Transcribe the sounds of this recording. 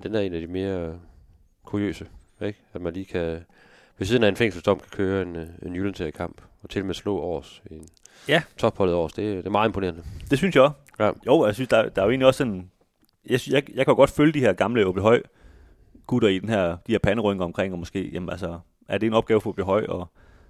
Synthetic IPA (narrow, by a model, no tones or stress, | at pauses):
d̥enæɐe̝̰ːnæd̥ime̝ːɐ | kʰuʁiø̰ːsəeɡ̥æd̥mænliːkʰæ | ʋe̝siːð̞ˠnæe̝nfeŋ̰sl̩sd̥ɒ̽m̰kʰæ̥kʰøːɐe̝ne̝njulənsʰeɐkʰɑ̈m̰b̥ | ɒ̽t͡sʰe̝ld̥emeslɔ̰̽ːɒ̰ːsn | jæt͡sʰɒ̽b̥hɒ̽lð̩ˠɒ̰ːsd̥e̝d̥e̝ɐmɑ̈ːð̩ˠe̝mpʰone̝ːɐnəd̥e̝synsjɑas | joʊ̰jɑsynsd̥ɑ̈d̥ɑ̈æje̝ːnliɒ̽sːɔ̽n | jɑjɑɪjɑɪkʰæjo̝ɡɒ̽d̥føljəd̥ihæɐ̰ɡ̥ɑ̈mləob̥ləɦɒ̽ɪ̰ | ɡ̥ud̥ɐid̥enɦæɐ̰d̥iheɐpʰænəʁœŋɐɒ̽mkʰʁeŋ̰ɒ̽mɒ̽sɡ̥e̝̰ːjemnælsɒ | ʔæɐd̥e̝e̝nɒ̽b̥̚ɡ̥ɛːʊfɒ̽b̥əɦɒ̽ɪ̰ɒ